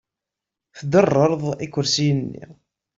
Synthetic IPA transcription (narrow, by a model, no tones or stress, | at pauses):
θd̪ərˤːəɾˤðˤikʷːʊɾsijənːḭ